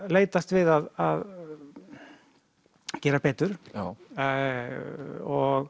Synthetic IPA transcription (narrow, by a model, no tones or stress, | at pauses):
leːjt̪ast̪vɪðaða̰ð | cɛːɾapʰeːt̪ʏɾ̥ | ɔɣ